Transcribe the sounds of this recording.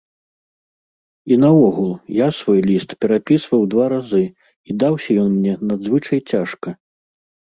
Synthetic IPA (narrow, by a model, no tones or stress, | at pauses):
inɐwɔɣulˠjasvɔjlʲist̪pʲɛɾapʲisvɐwd̪vaɾazɨ | id̪awsʲɐjɔnmʲnʲɛnad̪zvɨt͡ʂɐjt͡sʲaʂkɐ